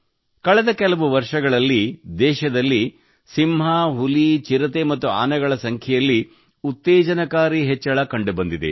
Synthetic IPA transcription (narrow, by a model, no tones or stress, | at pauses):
kɐɭɐd̪ɐkɛlɐʋuʋɐɾʂɐɡɐɭɐlːid̪ɛːʃɐd̪ɐlːi | simɦaːɦulit͡ʃiɾɐt̪emɐt̪ːuaːnɐɡɐɭɐsɐŋkʰjɛjɐlːi | ut̪ːɛːd͡ʒɐnɐkaːɾiɦɛt͡ʃːɐɭɐkɐɳɖubɐnd̪id̪ḛ